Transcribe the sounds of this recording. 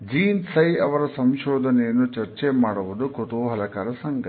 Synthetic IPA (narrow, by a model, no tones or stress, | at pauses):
d͡ʒiːnsɐjɐʋɐɾɐsɐmʃɔːd̪ʱɐnɛjɐnːut͡ʃɐɾt͡ʃemaːɽuʋud̪ukot̪oɦɐlɐkaːɾɐsɐŋɡʱɐ